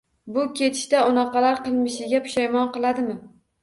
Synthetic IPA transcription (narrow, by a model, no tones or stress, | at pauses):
bʊkʲʰe̞t̪ʰɪ̥ʃt̪aʊnɑqɑlaɾqʰɨlˠmɪʃɪɡʲapʰʊ̥ʃajmɒnqɨlˠad̪ɪmɪ